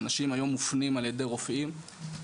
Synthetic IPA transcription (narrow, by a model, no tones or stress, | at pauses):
naʃimajomːufnimalje̞d̪eʁofʔim